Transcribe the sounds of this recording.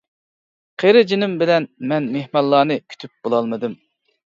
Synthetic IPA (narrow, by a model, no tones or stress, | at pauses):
qʰeɾɪd͡ʒinɪmbɪlɛnmɛnmehmɑllˠːɑːnɨkʲʰy̥t̪ʰyp̚b̥olˠɑlˠmɨd̪ɨm